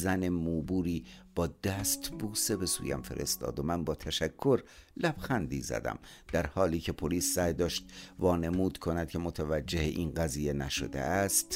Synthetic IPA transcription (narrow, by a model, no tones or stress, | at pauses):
zæne̞muːbuːɾiːb̥ɒːd̪̥æːst̪buːse̞be̞sṵːjæ̰mfe̞̰ɾʔḛst̪ɒ̰ːd̪omænbɒːt̪ʰæʃækʰːoɾlæb̥xænd̪ḭːzæ̰d̪æ̰md̪̥æɾhɒːliːcʰe̞pʰoliːsːæjd̪ɒːʃt̪̚vɒːne̞muːd̪kʰo̞næd̪̥̚kcʰe̞mot̪ʰævæd͡ʒːe̞heʔiːnɢæziːjenæʃo̰d̪ḛʔæst̪